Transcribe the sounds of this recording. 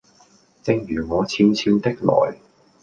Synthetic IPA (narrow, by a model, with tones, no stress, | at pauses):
t͡sɪ˧ŋjyː˨˩ŋɔː˨˧t͡sʰiː˧mt͡sʰiː˧wt̪ɪ˥k̚lɔ̰ː˨˩j